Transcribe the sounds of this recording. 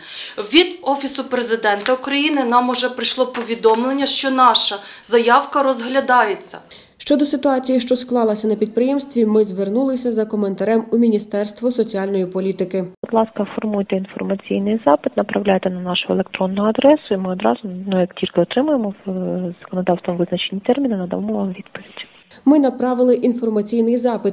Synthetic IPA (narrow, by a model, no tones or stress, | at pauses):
ʋʲid̪ɔfʲisʊpɾezɪd̪ɛnt̪ɐʊkɾɐjinɪnɑmʊʒɛpɾɪjʃlˠɔpɔʋʲid̪ɔmlˠenʲːɐʃt͡ʃɔnɑʃɐ | zɐjɑwkɐɾɔzɦlʲɐd̪ɑjet͡sʲːɐ̰ | ʃt͡ʃɔd̪ɔsɪt̪ʊɑt͡sʲijiʃt͡ʃɔsklˠɑlˠɐsʲɐnɐpʲid̪̚pɾɪjɛmst̪ʋʲimɪzʋernulˠɪsʲɐzɐkɔment̪ɐɾɛmumʲinʲist̪ɛrst̪ʋɔsɔt͡sʲiɑlʲnɔjipɔlʲit̪ɪkɪbʊd̪lˠɑskɐfɔrmujt̪ɛinfɔrmɐt͡sʲijnɪjzɑpɪt̪nɐpɾɐwlʲajet̪ɛnɐnɑʃʊelʲˠekt̪ɾɔnːʊɦɔɐd̪ɾɛsʊimɪɔd̪ɾɑzʊnujɐktʲilʲkɪɔt̪ɾɪmʊjemɔz̥ɐ̥kɔnɔd̪ɑwst̪ʋɔmʋɪznɐt͡ʃenʲːit̪ɛrmʲinɐnɐd̪ɐ̰ʋɔmɔʋɑmʋʲid̪pɔʋʲidʲ | mɪnɐpɾɑʋɪlˠɪʔinfɔrmɐt͡sʲijnɪjzɑpɪt̪